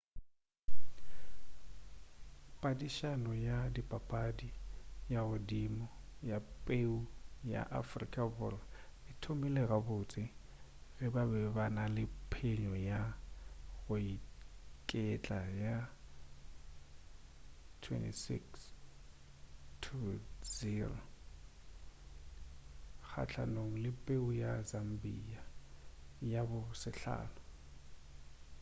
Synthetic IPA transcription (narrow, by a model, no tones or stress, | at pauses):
pʼadiʃanɔjadipʼapʼadijaɣʊdimɔjapʼeuja̰ʔa̰frḭkʼabʊrɔɪtʰomilɛɣabʊt͡sʼɪ | ɣɪbabɛbanalɪpʰeɲɔja | ɣʊikʼɛt͡ɬʼaja | tʰwɛ̰ntisḭks | tʰuziro̰ | k͡xʰa̰t͡ɬʰa̰noŋ̩lɪpʼeujazam̩bia | jabʊsɪɬa̰ːnʊ